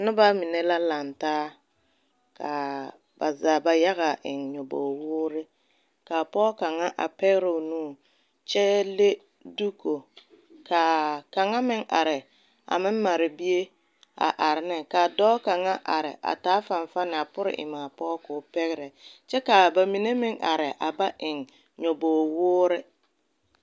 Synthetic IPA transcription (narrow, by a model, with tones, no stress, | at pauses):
nʊ˦ba˦mɪ˨ne˦la˦la˨ntaː˦ | ka˨ | ba˨zaː˨ba˨ja˦ɣa˨ʔɪ˨nɲɔ˨bo̰˨wʊː˦ɾɪ˦ | ka˨pɔː˦ka˨ŋa˦ʔa̰˨pɛ˦ɣɪ˦ɾɛ˨ʊ˨nũː˦˨ | t͡ʃɛ˦le˦ | du˦ko˨ | ka˨ka˨ŋa˦mɪ˦ŋa˨ɾɪ˨ | a̰˨mɪ˦m˦ma˨ɾɪ˨bi˦e˦ | a̰˨ʔa˨ɾɪ˨nɪ˦kaː˨dɔː˦ka˨ŋa˦ʔa˨ɾɪ˨ʔa̰˨taː˨˦fa˨n˨fa˦nɪ˨a˨pʊ˦ɾɪ̰˨ʔɪ̰˨maː˨pɔː˦kʊ˨˦pɛ˦ɣɪ˦ɾɛ˨t͡ʃɛ˦ka˨ba˨mi˨ne˦mɪ˦ŋʔa˨ɾɪ˨ʔa˨ba˦ʔɪ˨ŋ | ɲo˨boː˨wʊː˦ɾɪ˦